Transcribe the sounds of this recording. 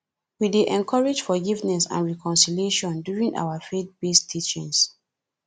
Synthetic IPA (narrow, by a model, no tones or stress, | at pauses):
wideʔɛ̃nkʰɔɹed͡ʒfɔɡivnɛsã̰nɹɛkɔ̃nsiljeʃɔ̃ndjuɹĩŋa̰wafet̚b̥estʰit͡ʃḭ̃ŋs